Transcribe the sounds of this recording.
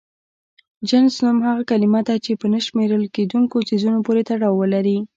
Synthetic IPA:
d͡ʒansnumhaɣakalimad̪at͡ʃepənəʃmeɾəlked̪uŋkosizunopoɾet̪aɽɑwːəlaɾi

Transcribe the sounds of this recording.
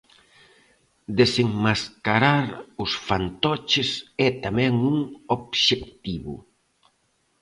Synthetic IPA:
d̪eseŋmaskaɾaɾʊsfant̪ɔt͡ʃɪsɛt̪amɛ̃ŋuŋobʃek̚t̪iβʊ̰

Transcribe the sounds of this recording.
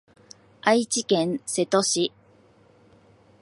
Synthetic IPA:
ait͡ɕikẽ̞ñse̞t̪oɕi

